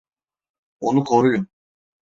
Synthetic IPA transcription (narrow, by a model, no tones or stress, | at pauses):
onukʰoɾujun